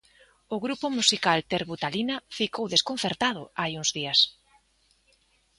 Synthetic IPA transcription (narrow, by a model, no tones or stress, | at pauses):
ʊɣɾupʊmusikalt̪eɾβut̪alinafikowðeskon̟θeɾt̪að̞ʊajuŋzðias